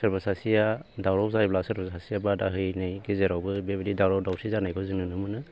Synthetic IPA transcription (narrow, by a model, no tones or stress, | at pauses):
sɯɾbasasijadawɾɔwzajblasɯɾbʰɔsasijabadaɦɯjnɯjɡezeɾawbɯbebedidawɾɔwdawsʰizanajkʰɔzɯnɯnɯmɯnɯ